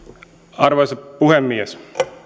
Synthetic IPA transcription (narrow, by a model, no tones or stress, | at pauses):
ɑrʋɑspuɦemːies